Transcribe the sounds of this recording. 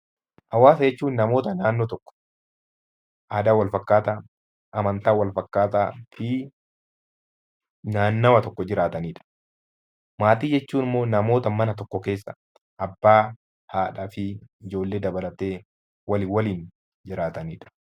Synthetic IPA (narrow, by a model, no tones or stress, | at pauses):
ʔɐwaːsɐd͡ʒɛt͡ʃːuːnːɐmo̞ːt̪ɐnaːnːoːt̪ɔkːɔ̥ | ʔaːd̪aːwɐlfɐkːaːt̪aː | ʔɐmɐnt̪aːwɐlfɐkːaːt̪afɪ | naːnːɐwɐt̪ɔkːɔd͡ʒɪɾaːt̪ɐniːᶑɐ̥ | maːt̪iːd͡ʒɛt͡ʃːuːnɪmːo̞ːnɐmo̞ːt̪ɐmɐnɐt̪ɔkːɔke̞ːsːɐ̰ | ʔɐbːaː | haːᶑafɪɪd͡ʒo̞ːlːe̞ːd̪ɐbɐlɐt̪eː | wɐliwɐliːn | d͡ʒɪɾaːt̪ɐniːᶑɐ̥